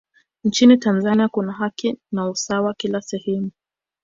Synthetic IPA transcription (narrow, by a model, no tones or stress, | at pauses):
n̩t͡ʃinitanzaniakunaɦakinausawakilasɛhɛmu